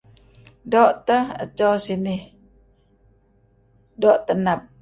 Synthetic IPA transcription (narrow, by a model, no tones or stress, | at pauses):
doʔt̪əhə̰t͡ʃosinɪh | doʔt̪ənap̚